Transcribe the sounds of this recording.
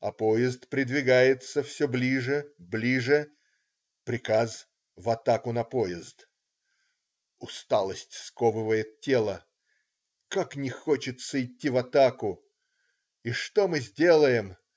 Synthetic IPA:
ɐpojɪzt̪pɾʲɪd̪vʲɪɡajɪt̪səfsʲoblʲiʐɨblʲiʐɨ | pɾʲɪkaz | vɐt̪akʊnɐpojɪzt̪ | ʊst̪alˠəsʲtʲskovɨvəjɪt̪̚tʲːe̞lˠə | kaknʲɪxot͡ɕɪt̪səɪtʲːivɐt̪akʊ | iʂt̪o̞mɨzʲdʲe̞lˠəjɪm

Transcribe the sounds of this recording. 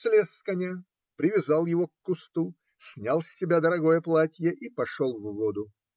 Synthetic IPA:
sʲlʲeskɐnʲa | pɾʲɪvʲɪzɑlˠjɪvokːʊst̪u | sʲnʲalˠsʲːɪbʲad̪əɾɐɡojəplˠatʲjəʔipɐʂolˠvvod̪ʊ

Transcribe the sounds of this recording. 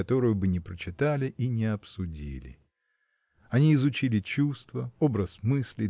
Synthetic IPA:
ɐt̪o̞ɾʊjʊbɨnʲɪpɾət͡ɕɪt̪alʲɪʔinʲɪɐpsʊdʲḭlʲɪ̰ | ɐnʲiːzʊt͡ɕilʲɪt͡ɕust̪vəo̞bɾəsmɨsʲlʲɪ

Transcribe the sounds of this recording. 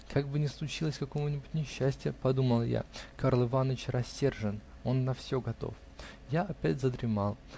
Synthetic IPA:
kʰaɡ̚bɨnʲɪslˠʊt͡ɕilˠəsʲkɐko̞mʊnʲɪbʊtʲnʲɪɕːæsʲtʲɪjəpɐd̪uməlˠja̰kaɾlˠɨvanːət͡ɕrɐsʲːe̞rʐɨn | o̞nːɐfsʲoɡɐt̪o̞̰f | jaʔɐpʲætʲzəd̪ɾʲɪmalˠ

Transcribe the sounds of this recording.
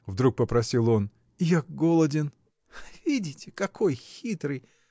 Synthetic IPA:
vd̪ɾuk̚pəpɾɐsʲilˠo̞n | ɪjak̚ɡolˠədʲɪn | vʲidʲɪtʲɪkɐkʰo̞jxʲit̪ɾɨj

